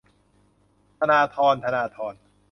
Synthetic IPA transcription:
t̪ʰa˧naː˧t̪ʰɔː˧nt̪ʰa˧naː˧t̪ʰɔː˧n

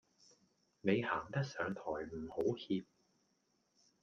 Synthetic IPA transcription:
ne˨˧jhaː˨˩ŋt̪ɐ˥k̚sœː˨˧ŋt̪ʰɔː˨˩jm̩˨˩ho˨˥whiː˧p̚

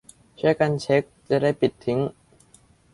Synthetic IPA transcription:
t͡ɕʰu˥˩əjka˧nt͡ɕʰe˦˥k̚t͡ɕa˨˩da˥˩jpi˨˩t̪ʰːi˨˦˥ŋ

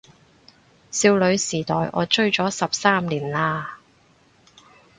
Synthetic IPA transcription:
siː˧wlɵ˨˧ɥsiː˨˩t̪ɔː˨˩jʔɔ̰ː˨˧t͡ʃɵ˥ɥt͡ʃɔː˨˥sɐ˨p̚saː˥mliː˨˩nlaː˧

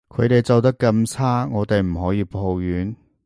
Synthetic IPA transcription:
kʰɵ˨˧t̪e˨jt͡sɐ˨wt̪̬ɐ˥kːɐ˧˥mt͡sʰaː˥ŋɔː˨˧t̪e˨jm̩˨˩ɦɔː˨˥jiː˨˧pʰo˧wjyː˨˥n

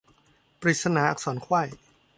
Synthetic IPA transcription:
pɾiː˨˩t̪̚sa˧naː˩˦ʔa˨˩k̚sɔː˩˦nkʰwa˥˩j

